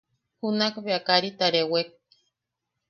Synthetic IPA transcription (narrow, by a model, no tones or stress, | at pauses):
hunakβeakaɾit̪aɾewek̚